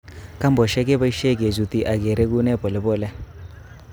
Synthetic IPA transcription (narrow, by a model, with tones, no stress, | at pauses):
ka˦mbɔ˨ʃɛ˦kɛ˦ba˦i˦ʃe˦˨ke˨zu˨t̪i˨ʔa˨ke˨ɾe˦ku˦nɛ˦˨pɔ˨lɪ˨bɔ˦˨lɛ˦